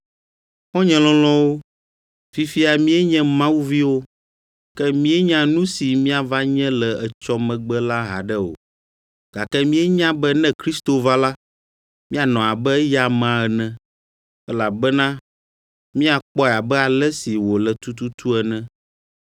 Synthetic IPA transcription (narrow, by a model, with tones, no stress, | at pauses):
xɔ̃˦ɲɛ̃˨lɔ̃˦lɔ̃˦wo˦ | fi˦fi˦a˨mĩ˦ɛ˦ɲɛ̃˦mã˦wu˦vi˦wo˦ | kɛ˦mĩ˦ɛ˦ɲã˦nũ˦si˨mĩ˦a˨va˦ɲɛ̃˦lɛ˨ɛ˨t͡ʃɔ˦mɛ̃˨ɡ͡bɛ˦la˦ɦa̰˨ɖɛ˦o̰˨ | ɡ̥a˨kɛ˦mĩ˦ɛ˦ɲã˦bɛ˦nɛ̃˦kɾi˦st̪o˨va˦la˦ | mĩ˦a˨nɔ̃˨a˨bɛ˦ja˨mã˦ɛ˨nɛ̃˦ | ɛ˦la˨bɛ˦nã˦ | mĩ˦a˨k͡pɔ˦ɛ˨a˨bɛ˦a˨lɛ˦si˨wo˨lɛ˨t̪u˦t̪u˦t̪u˦ɛ˨nɛ̃˦